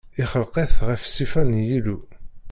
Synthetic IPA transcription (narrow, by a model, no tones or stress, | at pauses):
ɪχəlqeθʁəfsifænjilu